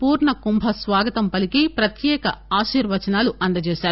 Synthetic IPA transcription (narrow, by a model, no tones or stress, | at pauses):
puːɾɳɐkumbʱɐsʋaːɡɐt̪ɐmpɐlikipɾɐt̪jɛːkɐ̰aːʃiːɾʋɐt͡ʃɐnaːluʔɐnd̪ɐt͡ʃeːʃaːɾu